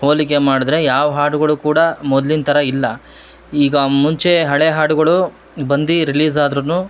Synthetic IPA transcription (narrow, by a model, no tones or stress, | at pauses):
ho̞ːlik̬e̞maːɽid̪ɾe̞jaːʋɐɦaːʈuɡɐɭukuːɽɐmɔd̪lint̪ʰɐɾɐilːɐ | iːɡɐmuɲt͡ʃe̞ɦɐɭeɦaːʈuɡɐɭu | bɐnd̪iɾiliːsaːd̪ɾɐnuː